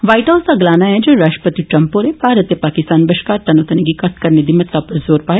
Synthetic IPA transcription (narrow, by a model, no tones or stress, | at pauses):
ʋaːɪʈaːsaɡlaːnaɦɛd͡ʒoːɾaːʃʈə̥pət̪iʈɾɐmpoɾebʱaːɾət̪jɐpaːkɪst̪aːnbɐʃkaːɾt̪ɐnoːt̪əniɡikɐʈʰkɐɾned̪imət̪ːapɐɾzoːɾpaːe